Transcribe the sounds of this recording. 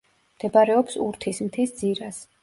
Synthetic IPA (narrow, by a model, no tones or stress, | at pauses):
md̪̥ɛbaɾɛɔpsuɾt̪ʰismt̪ʰisd̪ziɾas